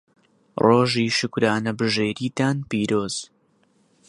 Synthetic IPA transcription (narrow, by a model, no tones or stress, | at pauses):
roːʒiːʃɨkɾaːnɐbɨʒeːɾiːt̪aːnpiːɾoːz̥